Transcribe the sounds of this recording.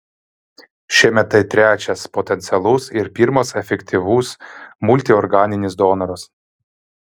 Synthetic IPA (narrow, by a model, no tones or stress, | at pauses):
ʃʲiɛmʲɛt̪ɐɪt̪ʲɾʲæːt͡ʃʲɛspoːt̪ʲɛnʲt̪sʲɛlˠʊsɪɾpʲiːɾmosɛfʲɛkʲt̪ʲiʋuːsmʊlʲt̪ʲiɔɾɡɑːnʲɪnʲɪsd̪oːnɐɾʊs